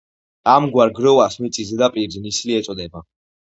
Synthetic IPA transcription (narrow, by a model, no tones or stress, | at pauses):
amɡwaɾɡɾɔvasmit̪sʼizɛd̪apʼiɾznisliɛt̪sʼɔd̪ɛba